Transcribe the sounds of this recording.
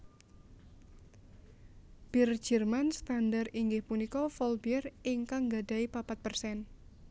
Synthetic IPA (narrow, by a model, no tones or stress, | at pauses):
b̥ird͡ʒərmanst̪andariŋɡɪhpunikɔfɔlbiɛrɪŋkaŋɡadaipapat̪̚pərsɛn